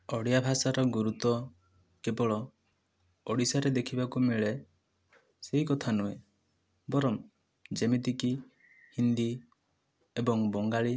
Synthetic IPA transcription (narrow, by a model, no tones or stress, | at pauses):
ɔɽjabʱasaɾɔɡuɾut̪ɔ | kebɔɭɔ | ɔɽisaɾed̪ekʰibakumeɭe | seɦikɔt̪ʰanue | bɔɾɔm | d͡ʒemit̪iki | hind̪i | ebɔŋbɔŋɡaɭi